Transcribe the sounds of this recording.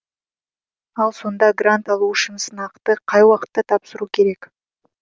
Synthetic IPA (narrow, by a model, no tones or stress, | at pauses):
ɑlˠso̞nd̪ɑɡrant̪ɑlˠuɪʃɪnsənɑqt̪əqʰɑjwɑqə̥t̪ːɑt̪ʰɑpsəɾukʲʰe̞ɾe̞k